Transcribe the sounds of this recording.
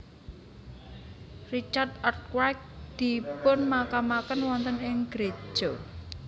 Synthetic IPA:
rit͡ʃart̪ɔrt̪̚kwak̚d̪̥i̤pʊnmakamakənwɔnt̪ənɪŋɡ̥ɾe̥d͡ʒʒ̥ɔ

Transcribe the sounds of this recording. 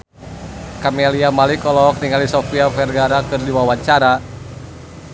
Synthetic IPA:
kamɛliamalikɔlɔk̚niŋalisɔfiafɛrɡaɾakɨrdiwawaɲt͡ʃaɾa

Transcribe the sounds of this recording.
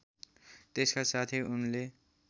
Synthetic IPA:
t̪eskasat̪ʰiunle

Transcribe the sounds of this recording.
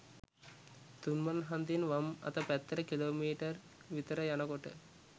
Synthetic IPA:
t̪unmanɦand̪inʋamɐ̰t̪əpæt̪ːəɾəkiloːmiːʈər | ʋit̪əɾəjanəkoʈə̰

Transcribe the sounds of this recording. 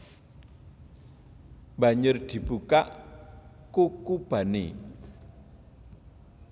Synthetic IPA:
bä̤ɲʊrd̪̥i̤b̥ukaʔ | kukub̥a̤ne

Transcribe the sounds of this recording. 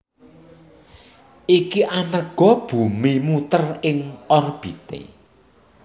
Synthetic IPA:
ʔikiʔanərɡ̥ɔ̤b̥ṳmimut̪ərɪŋɔrb̥it̪ḛ

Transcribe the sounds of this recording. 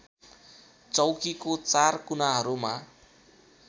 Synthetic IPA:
t͡sʌwkikot͡sarkunaɦʌɾuma

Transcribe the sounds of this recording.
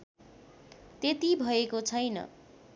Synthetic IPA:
t̪et̪ibʱʌekot͡sʰʌjnʌ̰

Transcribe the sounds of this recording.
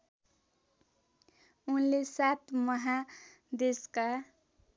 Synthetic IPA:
unlesat̪ʰmʌɦa | d̪eska

